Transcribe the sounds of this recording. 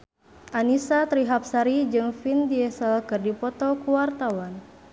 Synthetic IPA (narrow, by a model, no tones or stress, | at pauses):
ʔanisat̪ɾiɦap̚saɾid͡ʒɨŋfindiɛsəlkɨrdipɔt̪ɔkuwart̪awan